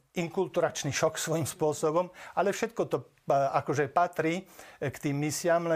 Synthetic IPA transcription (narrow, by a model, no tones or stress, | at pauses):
iŋkult̪uɾat͡ʃniʃɔksʋɔjimspʊɔsɔbɔmʔalɛfʃɛt̪̚kɔt̪ɔ | akɔʒɛpat̪ɾiːkt̪iːmːisɪamlɛ